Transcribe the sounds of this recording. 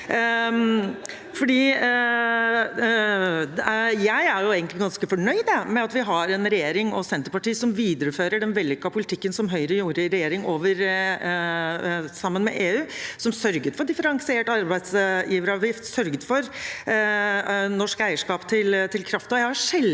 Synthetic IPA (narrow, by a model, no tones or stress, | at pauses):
fɔɖiː | jæɪæɾjʊeːɡənlɪɡɑnskəfɔɳœʏd̪əmɛɑt̪ʋɪɦɑɾɛnɾɛjeːɾɪŋɔsɛnt̪əpɑʈiːsɔmʋiːd̪əɾəføːɾəɖɛnʋɛlːʏkːɑpʰʊlɪt̪ʰɪkːənsɔmɦœʏɾəjuːɾəɾɛjeːɾɪŋoːʋəɾ | sɑmːənmɛ̰ʔeːʉːsɔmsœɾɡət̪fɔɖɪfəɾɑŋsɪeːʈɑɾbæɪd̪sjiːʋəɾəɑʋjɪft̪sœɾɡət̪fɔɾ | nɔʂkæɪəʂkɑːpt̪ʰɪlt̪ʰɪlkʰɾɑft̪ɔjæɪhɑʂɛl